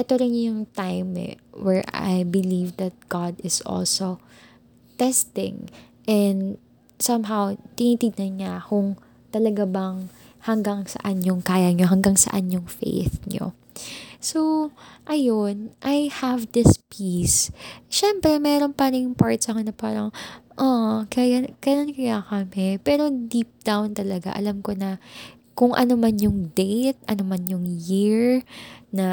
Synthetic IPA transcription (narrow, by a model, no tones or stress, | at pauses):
ʔɛt̪oɾɪnjʊŋt̪ajmɛ̰wɛɹʔa̰jbɪlivd̪ɐt̪̚ɡ̥ad̪ɪsʔo̰lso | t̪ɛst̪ɪ̰̃ŋ | ʔɛnd̪ | sɐmɦawt̪ɪnit̪id̪̚nɐnɲakʊŋ | t̪ɐlɐɡabɐŋ | hɐŋɡaŋsɐ̰ʔɐnjʊŋkaːjɐɲoɦɐŋɡaŋsɐ̰ʔanɲʊŋfḛjθɲo̰ | soʔɐjonʔɐjhɐvd̪ɪspʰisʃɛmpɾɛmɛɾo̞npaːnɪjʊŋpaɹt̪sɐkonɐpaːɾɐŋʔokajakɐjonkɐjakɐmɪpɛːɾo̞d̪ip̚d̪awnt̪ɐlɐɡa̰ʔɐ̰lamko̞nɐ | kʊŋʔɐ̰nomanjʊŋd̪ɛjt̪̚ʔɐnomanjʊŋjiɹnɐ